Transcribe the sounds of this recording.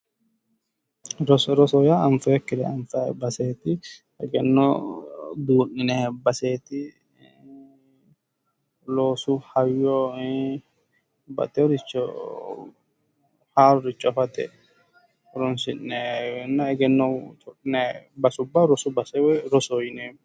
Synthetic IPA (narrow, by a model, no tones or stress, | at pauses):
ɾɔsɾɔsɔjaɐɱfɛːkːɪd̪ɛɐɱfɛbɐseːt̪ɪ | ɛɡɛnːɔ | buːnːɪnɛbɐseːt̪ɪ | loːsʊhɐjːɔ | bɐ̰t̪ʼɛɔɾɪt͡ʃːɔ̰ | haːɾʊɾɪt͡ʃʼːɔfɐt̪ɛ̰ | ɾɔnsɪnːɛnːɐɛɡɛnːɔt̪ʰɔʔɪnɛbɐsʊbːɐɾɔsʊbɐsɛwɛɾɔsɔjɪne